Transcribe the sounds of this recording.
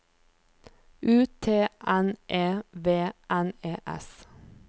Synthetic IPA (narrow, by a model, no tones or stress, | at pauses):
ʔʉːt̪ʰeːʔænʔeːʋeːʔæneːʔɛ̰s